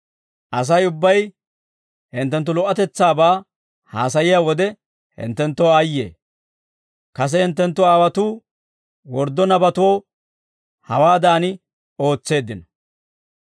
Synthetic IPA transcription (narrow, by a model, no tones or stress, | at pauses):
ʔɐs̬ɐjʊbːɐj | hɪnt̪ːɛnt̪ːʊlɔʔːɐt̪ɛt͡sːaːbaː | ha̰ːs̬ɐjɪjaːwɔd̪ɛ | hɪ̰nt̪ːɛnt̪ːɔajːḛː | kɐs̬ɛhɪnt̪ːɛnt̪ːʊaːwɐt̪uː | wɔɾd̪ːɔnɐbɐt̪oː | hɐwaːd̪aːnɪ | o̞ːt͡sːe̞ːd̪ːɪnɐ